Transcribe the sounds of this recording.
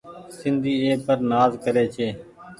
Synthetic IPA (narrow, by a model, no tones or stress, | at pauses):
sɪnd̪ʱiːeːpəɾnaːzkəɾeːt͡ʃʰeː